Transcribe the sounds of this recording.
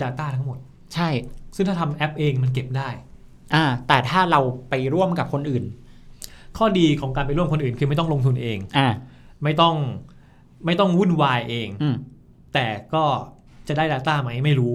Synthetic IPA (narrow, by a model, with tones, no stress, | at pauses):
daː˧t̪aː˥˩t̪ʰa˦˥ŋmo˨˩t̪̚ | t͡ɕʰa˥˩jsɯ˥˩ŋt̪ʰaː˥˩t̪ʰa˧mʔɛ˦˥p̚ʔeː˧ŋma˧nk̬e˨˩p̚daː˥˩j | ʔaː˧t̪ɛː˨˩t̪ʰaː˥˩ɾa˧wpa˧jɾu˥˩əmka˨˩p̚kʰo˧nʔɯː˨˩n | kʰɔː˥˩diː˧kʰɔː˩˦ŋkaː˧npa˧jɾu˥˩ə˨mkʰo˧nʔɯː˨˩nkʰɯː˧ma˥˩jt̪ɔ˥˩ŋlo˧ŋt̪ʰu˧nʔeː˧ŋʔaː˧˩ | ma˥˩jt̪ɔ˥˩ŋ | ma˥˩jt̪ɔ˥˩ŋwu˥˩nwaː˧jʔeː˧ŋː˧˩ | t̪ɛː˨˩kɔː˥˩ | t͡ɕa˨˩da˥˩jdaː˧t̪aː˥˩ma˦˥jma˥˩jɾuː˦˥